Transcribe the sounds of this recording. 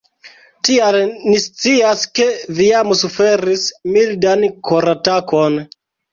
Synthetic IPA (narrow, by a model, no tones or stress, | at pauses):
tialnist͡siaske̞viamsufeɾismildankʰoɾatakon